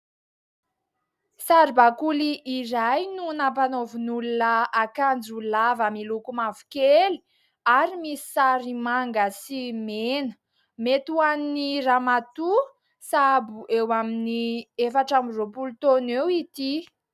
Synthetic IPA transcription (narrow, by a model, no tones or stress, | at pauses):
saɾibakuliʔːɾajnunapanovunulunəakand͡zulavəmilukumavu̥keli̥ | aɾimisi̥saɾimaŋɡəsimenə̥ | met̪uanniramat̪u | sabuʔewaminiefaʈ͡ʂamiropulut̪onewit̪i